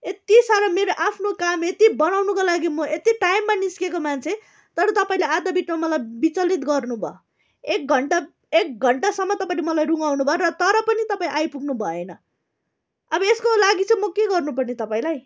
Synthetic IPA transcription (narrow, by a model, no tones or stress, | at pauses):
et̪isaɾʌmeɾoʔapʰnokamet̪ibʌnawnukolaɡimʌet̪iʈajmːaniskekomant͡sʰe | t̪ʌɾʌt̪ʌpaĩlead̪ʌbiʈmamʌlajbit͡sʌlit̪ɡʌrnubʱʌ̰o | ek̚ɡʱʌɳʈa | ek̚ɡʱʌɳʈasʌmːʌt̪ʌpaĩlemʌlajruŋɡawnubʱʌoɾʌt̪ʌɾʌpʌnit̪ʌpaĩʔajpuɡnubʱʌenʌ | ʌbʌeskolaɡit͡sʌ̃mʌkeɡʌrnupʌrnit̪ʌpaĩlaj